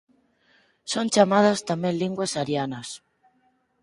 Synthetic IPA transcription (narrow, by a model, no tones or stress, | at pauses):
sont͡ʃamað̞ast̪amẽnliŋɡwasaɾjanas